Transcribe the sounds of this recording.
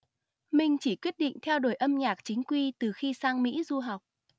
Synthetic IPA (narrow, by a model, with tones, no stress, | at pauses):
mï˨˩ŋ̟t͡ɕi˧˩kwi˦˥t̚ɗḭ˧˨ŋ̟t̪ʰɛ˧wɗo˧˩jʔə˧mɲaː˨˩k̚t͡ɕï˨˦ŋ̟kwi˧t̪ɨ˨˩xi˧saː˧ŋmḭ˧˥zu˧ɦa˨˩wk͡p̚